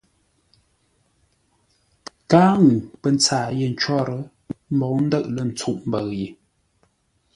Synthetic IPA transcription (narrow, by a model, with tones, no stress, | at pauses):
kaː˦ŋu˨pə˨n˦t͡saː˨je˦˨n̩˨˦t͡ʃwɔ˦ɾə˦ | m̩˦bɔ˨˦n̩˦də˦˨ʔlə˦˨n̩˨t͡su˦˨ʔm˦bə˨ɣji˨